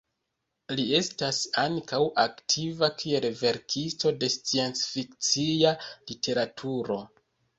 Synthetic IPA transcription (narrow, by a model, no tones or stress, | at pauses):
lie̞stasaŋkawaktʰivakʰie̞lve̞ɾkʰisto̞de̞st͡sie̞nt͡sfikt͡sialitʰe̞ɾatʰuɾo̞